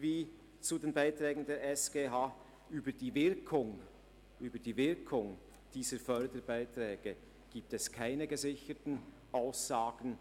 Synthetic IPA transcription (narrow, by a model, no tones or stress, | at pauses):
viː | t͡sudeːnbaɪtʁɛːɡn̩deːɛsɡ̥eːɦaː | ʔyːbəd̥iːvɪɐkʰʊŋ | ʔyːbəd̥iːvɪɐkʰʊŋ | d̥iːzəfœɐdəbaɪtrɛːɡ̥ə | ɡ̥iːp̚tɛskʰaɪnəɡəzɪçətn̩ | ʔaʊsz̥aːɡ̥n̩